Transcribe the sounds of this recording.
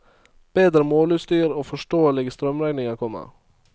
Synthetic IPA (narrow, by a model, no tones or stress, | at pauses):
b̥eːd̪ɾəmoːlʉːt̪st̪yːɾoːfɔʃʈoːəlɪɡəst̪ɾœmɾæɪnɪŋəkʰɔmə̰